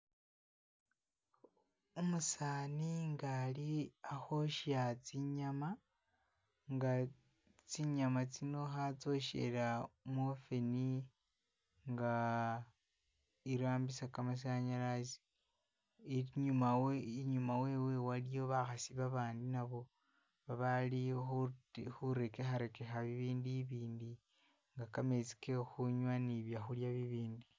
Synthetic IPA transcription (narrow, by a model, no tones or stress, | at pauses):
omusaːniŋɡaliaxo̞ʃjat͡siɲama | ŋɡa | t͡siɲamat͡sino̞xat͡so̞ʃḛɾamwofeni | ŋɡa | iɾaːmbisakamas̬aɲaɾazi̥ | ɲumawiɲumawe̞we̞walijo̞βaxasiβaβaːndinaβo̞ | βaβalixxuɾe̞kexaɾe̞kexaβiβiːndiβiːndi | ŋɡakame̞t͡si̥ke̞xuɲwaniβjaxuljaβiβiːndi